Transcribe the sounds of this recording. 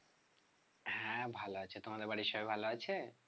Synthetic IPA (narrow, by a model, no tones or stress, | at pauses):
ɦɛ̃bʱaloat͡ɕʰet̪omad̪eɾbaɽiʃɔbebʱaloat͡ɕʰe